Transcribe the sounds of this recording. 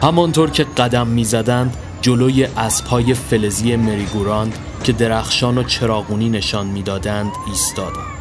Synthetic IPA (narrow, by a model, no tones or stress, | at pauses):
hæmɒnt̪ʰoːɾcʰe̞ɢæd̪æmːiːzæd̪ænd̪ | d͡ʒoloːje̞ʔæsphɒːje̞fe̞le̞zije̞me̞ɾiɡuɾɒnd̪ | cʰe̞d̪e̞ɾæxʃɒːnot͡ʃʰe̞ɾɒːɣuːniːne̞ʃɒːnmiːd̪ɒːd̪ænd̪̥iːst̪ɒːd̪æ